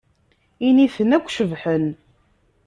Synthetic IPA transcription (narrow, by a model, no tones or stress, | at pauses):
inifənækʷːʃəvħən